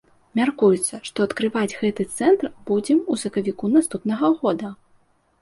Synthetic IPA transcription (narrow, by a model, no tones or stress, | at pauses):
mʲarkujut̪sːɐʂt̪ɔɐt̪kɾɨvad͡zʲɣɛt̪ɨt̪sɛnt̪rb̥ud͡zʲɛmusɐkɐvʲikunast̪upnɐɣɐɣɔd̪ɐ